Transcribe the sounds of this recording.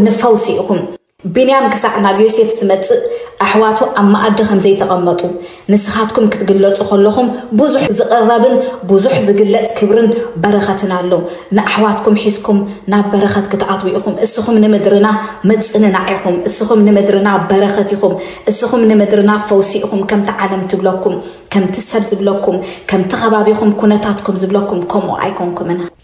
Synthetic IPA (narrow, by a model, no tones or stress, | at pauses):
nɨfɐwsiʔikum | binijamkʰɨsaʕnaβjose̞fzɨmɐt͡sʼːɨʔʔaħwat̪ʰuʔamːaʔad̪ɐkʰɐmzɐjt̪ʰɐkʼɐmːɐt̪ʼu | nɨsɨxat̪kʰumkʰɨt̪ɡɨlːɐt͡sʼukʰɐlːɐxumbuzuħzɨkʼɨrːɐβɨnbuzuħzɨɡɨlːɐt͡sʼkʰɨβɾɨnbɐɾɐxɐt̪ʰɨnalːɐ | nɨʔaħwat̪kʰumħiskʰum | naβːɐɾɐxɐt̪kʰɨt̪ʕat̪wɔjʔixumʔɨsːixumnɨmɨd̪ɾɨnamɐt͡sʼɨnɨnaʕijxumʔɨsːixumnɨmɨd̪ɾɨnabɐɾɐxɐt̪ixumʔɨsːixumnɨmɨd̪ɾɨnafɐwsiʔixumkʰɐmt̪ʰiʕalɐmt̪ʰɨβlɐkːum | kʰɐmt̪ʰisɐβzɨβlɐkːumkʰɐmt̪ʰixʰɐβaβikumkʰunɐt̪ʰat̪kʰumzɨβlɐkːumkʰomʔṵʔa̰jkʰoŋkʰumɨn